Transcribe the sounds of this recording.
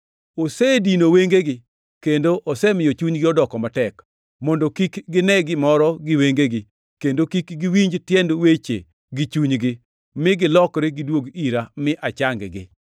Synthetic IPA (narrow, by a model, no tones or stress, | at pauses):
osedinoweŋɡeɡɪ | kendoʔosɛmɪjɔt͡ʃuɲɡɪɔdɔkɔmatɛk | mɔndokikɡɪnɛɡɪmɔɾɔɡɪweŋɡeɡɪ | kendokikɡiwiɲd͡ʒtjɛndwet͡ʃḛ | ɡit͡ʃuɲɡɪ | mɪɡɪlɔkɾeɡɪdwoɡiɾamɪʔat͡ʃaŋɡɡɪ̰